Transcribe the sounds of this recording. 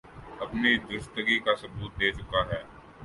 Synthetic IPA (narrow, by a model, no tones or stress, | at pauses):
ɐpnid̪ʊʃt̪əɡikasʊbuːt̪̚d̪eːt͡ʃʊkaɦɛː